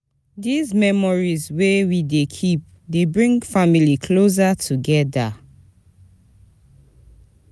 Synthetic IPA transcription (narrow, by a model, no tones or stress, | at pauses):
dizmɛmɔɹizwewidekʰip̚ | debɹĩŋfamilikʰlos̬atʰuɡɛda